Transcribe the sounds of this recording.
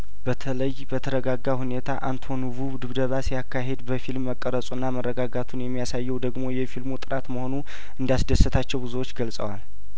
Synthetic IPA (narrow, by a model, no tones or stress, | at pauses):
bət̪ʰələjbət̪ʰəɾəɡaɡːahune̞t̪ʰaʔant̪ʰo̞nuvuβd̪ɨβd̪əβasjakːaɦe̞d̪bəfilmːəkʼːəɾəsʼunːamərːəɡaɡat̪ʰunjɛmːijasajːɛwd̪əɡmo̞jɛfilmut̪ʼɨɾat̪məho̞nu | ʔɨnd̪asd̪əsːɨt̪ʰat͡ʃːɛwbɨzuwot͡ʃːɡəlsʼə̰wal